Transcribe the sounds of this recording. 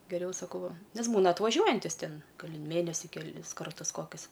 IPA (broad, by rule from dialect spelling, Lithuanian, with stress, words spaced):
ɡʲɛˈrʲɛʊ sɐˈkɐʊ ˈʋɐ ˈnʲɛs ˈbuːnɐ ɐtʋɐˈʒʲuɔjɛnʲtʲɪs ˈtʲɪn ˈɡɐlʲ ɪ ˈmʲeːnʲɛsʲɪ kʲɛˈlʲɪs ˈkɐrtʊs ˈkoːkʲʊs